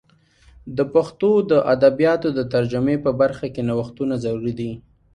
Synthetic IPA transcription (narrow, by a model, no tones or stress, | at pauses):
d̪əpaxt̪od̪əʔad̪abijɑt̪od̪ət̪aɾd͡ʒamepəbaɾxakenawaxt̪unazaɾuɾid̪i